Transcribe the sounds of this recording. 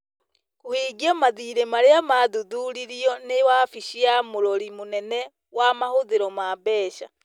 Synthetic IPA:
kuhiɡamaðiːɾemaɾeamaduduːɾiɾiɔnewafiʃiamuɾoɾimunene | wamahuðiɾomabɛːʃa̰

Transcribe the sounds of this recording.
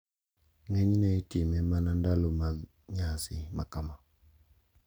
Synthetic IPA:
ŋeɲinɛitimɛmanandaloma | ɲasimakama

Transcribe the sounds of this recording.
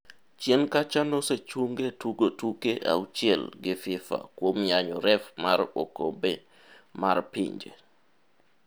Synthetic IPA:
t͡ʃjenkat͡ʃanɔset͡ʃuŋɡetuɡotukeʔa̰ut͡ʃiɛlɡɪfɪfa̰kwomjaɲɔɾɛfmaɾo̰ko̰be | ma̰rpɪ̰ɲd͡ʒḛ

